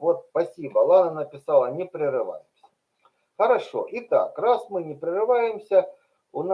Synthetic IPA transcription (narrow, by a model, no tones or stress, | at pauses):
vot̪spɐsʲibɐlˠanɐnɐpʲɪsalˠɐnʲɪpɾʲɪɾɨʋa̰jɪmsʲə̥ | xɐɾɐʂo̰ʔit̪a̰krasmɨnʲɪpɾʲɪrɨvajɪmsʲə | ʊn